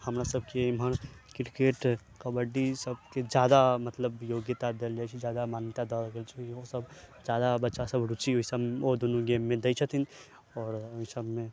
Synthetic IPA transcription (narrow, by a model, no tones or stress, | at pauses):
həmɾasəb̚ʱkeɪmənkɪɾkeːʈ | kəbəɖisəb̚ked͡ʒjaːd̪amət̪ləbjoɡjət̪ad̪eld͡ʒat͡ʃʰid͡ʒjad̪amaːnjət̪ad̪ɔɾəɡelt͡ʃʰikiosəbd͡ʒjad̪abətːʃasəbɾut͡ʃiɦoisəbod̪onuɡemːẽd̪ejt͡ʃʰət̪ʰin | ɔːɾoɦisəbmẽ